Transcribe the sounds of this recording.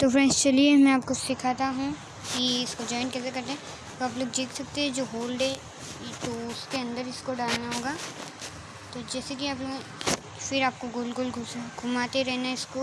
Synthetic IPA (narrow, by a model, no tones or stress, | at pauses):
t̪ofɾɛ̃ːnst͡ʃɐliemɛ̃aːpkosɪkʰaːt̪aɦũ | kiɪskod͡ʒɔːɪnkɛːsekɐɾt̪eɦɛ̃ | t̪oɐploːɡd͡ʒiːksɐk̚t̪eɦɛ̃d͡ʒoːɦoːlɖɛ | t̪oʊskeɐ̃nd̪əɾɪskoɖaːlnaɦoːɡaː | t̪od͡ʒɛːsekiaːp̬loːɡ | fɪɾaːp̚koɡʊlɡʊlɡʱʊɡʱʊmaːt̪eɾɛɦnaɪsko